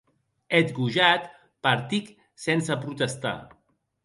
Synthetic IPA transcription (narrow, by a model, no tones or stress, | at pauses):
et̪ɡuʒat̪ | paɾt̪ik | sɛnsəpɾut̪əst̪a̰